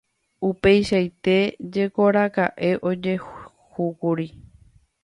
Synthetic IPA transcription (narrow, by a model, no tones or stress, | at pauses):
upe̞jʃajt̪e̞d͡ʒe̞ko̞ɾakaʔe̞ʔo̞d͡ʒe̞ | hukuɾi